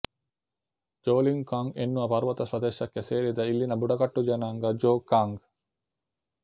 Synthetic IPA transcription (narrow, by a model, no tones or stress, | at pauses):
d͡ʒoːliŋkaŋɡḛnːuʋɐpɐɾuʋɐt̪ɐsɐd̪eːʃɐkːeseːɾid̪ɐilːinɐbuɖɐkɐʈːud͡ʒɐnaːŋɡɐd͡ʒoːkːaŋɡ